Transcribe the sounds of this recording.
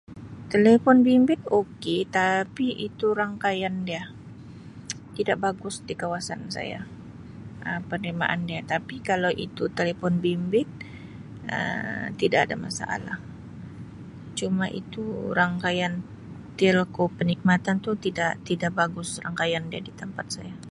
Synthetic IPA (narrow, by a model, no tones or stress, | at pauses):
t̪elefɔnbimbɪt̪oket̪apiʔit̪uɾaŋkajandia | t̪idaʔbaɡʊsdikawasa̰nsa̰ja̰ | ʔəpərnima̰ʔa̰ndiat̪apikalawʔḭt̪ut̪elefɔnbimbɪt̪̚ | ə̰t̪idaʔadama̰sa̰ʔa̰la̰h | t͡ʃumaʔḭt̪uɾaŋkajan | t̪elkopənik̚mat̪ant̪ut̪idaʔt̪idaʔbaɡʊsraŋkajandiadit̪əmpat̪̚saja